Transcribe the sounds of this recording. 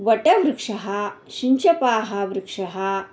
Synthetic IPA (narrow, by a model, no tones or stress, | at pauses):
ʋɐʈɐʋɾɪkʂɐɦɐɕiɲt͡ʃɐpaːɦɐʋɾikʂɐɦɐ